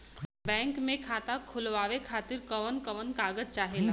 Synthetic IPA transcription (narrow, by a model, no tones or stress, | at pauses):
bɛ̃ːŋkmẽkʰaːt̪akʰʊlʋaːʋekʰaːt̪ɪɾkɐʋənkɐʋənkaːɡəzt͡ʃaːɦela